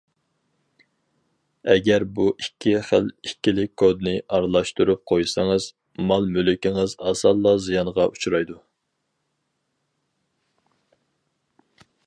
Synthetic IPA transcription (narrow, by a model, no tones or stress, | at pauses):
ɛɡʲɛɾbuʔikʲʰːiχælikʲʰːilɪkʲkʰod̪nɨʔɑɾlˠɑʃt̪uɾup̚qʰojsɑŋɨz | mɑlˠmølɪkʲɪŋɨzɑsɑlˠːɑzijɑnʁɑʔut͡ʃʰuɾɑjd̪u